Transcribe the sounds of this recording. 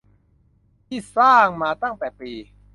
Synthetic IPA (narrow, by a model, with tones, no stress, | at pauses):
t̪ʰiː˥˩saː˥˩ŋmaː˧t̪a˥˩ŋt̪ɛː˨˩piː˧